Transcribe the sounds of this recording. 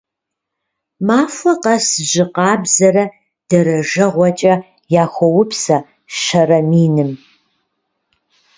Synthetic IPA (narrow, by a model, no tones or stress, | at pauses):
maːfʷɐqɐsʒɪqɑːbzɐɾɐ | d̥ɐɾɐʒɐʁʷɔt͡ʃʼɐ | jaːxʷɔwʊpʰsɐ | ʃɐrɐmiːnɨm